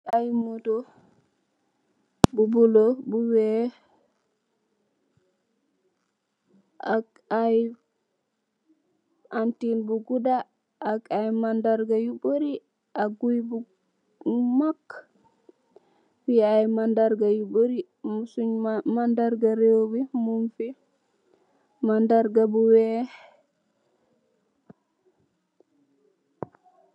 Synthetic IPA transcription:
ajmotɔ | bubulɔbuwɛ | ʔak | aj | antinbuɡuda | ʔːkajmandaɾɡajuboɾi | ʔaɡujbu | makː | fiajmandaɾɡajuboɾi | musuɲmandaɾɡaɾewwimunfi | mandaɾɡabuwɛ

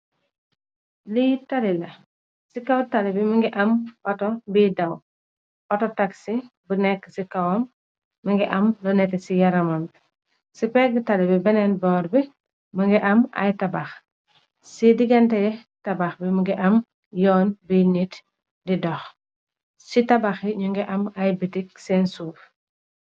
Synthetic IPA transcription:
lijtalilɐ | sikɐwtɐlibimɐŋɡiʔɐmʔɔtɔbiːdɐw | ʔɔtɔtɐksibənɛkːə̥sikɐwɔmː | ɐŋɡiʔɐmlɔnɛtɛsijɐɾɐmɐm | sipɛɡətɐlibibɛnɛnbɔːɾbi | mɐŋɡiʔɐmɐ̰jtɐbax | sidiɡɛntɐjɛ | tɐbaxbimuŋɡiʔɐm | jɔːnbinit | didɔx | sitɐbaxiɲuŋɡiʔɐmɐjbitik̚sɛnsuːf

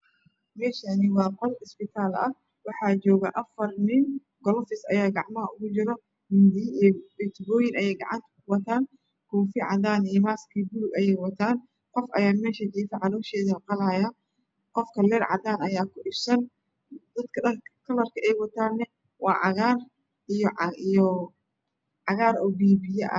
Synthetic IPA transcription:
mɛːʃɐnɪwɑːqɔlɪsbɪt̪ʰaːlɐ̰ | wɑħɑːd͡ʒɔːɣɐʔɐfɐrnɪn | ɡɔlfɪsɐjaːɡɑʕmɐɦɐʊɣʊd͡ʒɪɾɔ | hɪnd̪ibɪt̪bɔːjɪnɐjɛːjɡɑ̰ʕɑnt̪ʰɐ̥kʰʊwɐt̪ʰaːn | kʰɔːfiʕɑ̰daːnijmaːskʰiːbʊlʊɡɐjɛjwɐt̪ʰaːn | qɔfʔɐjaːnmɛːʃɐd͡ʒiːfɐʕɑlɔːʃɛːðɐhqɑlaja | qɔfkʰɐlɛːrʕɑ̰d̪aːnɐjaːkʰʊʔɪbsɐn | d̪̥ɐd̪kʰɐɐkʰɐlɐrkʰɐʔɛjwɑt̪ʰaːnːɛ | wɑːʕɑɣaːr | ijɔʕijɔ | ʕɑɣaːɾɔːbiːbɪjɛʔɐ̰

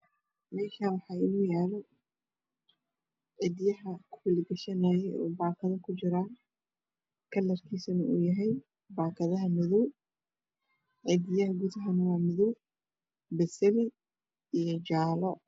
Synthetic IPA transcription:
mɛːʃaːwɑħɑːɪnuːjaːlɛ | ʕɪd̪jɐɦɐkʰʊwɪlɪɡɐʃɐnaːjɛɔ̰ːbaːkʰɐðɐkʰʊt͡ʃɪɾaːn | kʰɐlːɐrkʰiːsɐnɐṵːjɐɦɛj | baːkʰɐðɐɦɐmɪðɔw | ʕɪd̪ɪjɐɦɐɡʊðɐɦɐnɐwɑːmɪðɔw | bɛsɛlɪ | ijɞd͡ʒaːlɔ

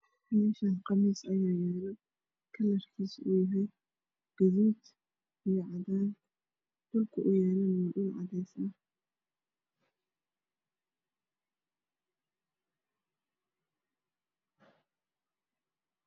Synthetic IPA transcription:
ħmɛːʃɐqɑmiːsɐjaːjɛːlɐ | kʰɐlɐrkʰiːsṵːjɐɦɛj | ɡ̥ɐðuːt̪ | ɪɛʕɑðaːn | d̪̥ɔlkʰʊʔʊjɛːlɐmɔːlʊːnʕɑ̰ðɛjsɐ

